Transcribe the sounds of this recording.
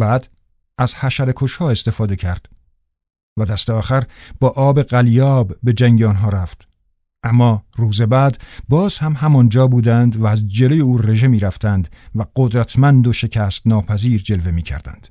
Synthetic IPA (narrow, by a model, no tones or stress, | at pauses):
bæːd̪ | æz̥hæʃæɾe̞kʰoʃhɒːe̞st̪e̞fɒːd̪e̞cʰæɾd̪̥ | væd̪æst̪eɒːxæɾb̥ɒːʔɒːbe̞ɣæljɒːbːe̞d͡ʒæŋɟeɒnɦɒːɾæft̪ | ʔæmːɒːruːze̞bæːd̪bɒːz̥hæmhæmɒnd͡ʒɒːbuːd̪ænd̪væːzd͡ʒe̞lo̞je̞uːre̞ʒe̞miːɾæft̪ʰænd̪væɢod̪ɾæt̪ʰmænd̪oʃe̞cʰæːst̪nɒːpʰæziːɾd͡ʒe̞lve̞miːcʰæ̰ɾd̪æ̰nd̪̥